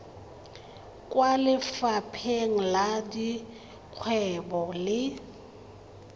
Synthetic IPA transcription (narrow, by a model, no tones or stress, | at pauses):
kʼwalɪfapʰeŋ̩ladi | q͡χʰwɛbɔlɪ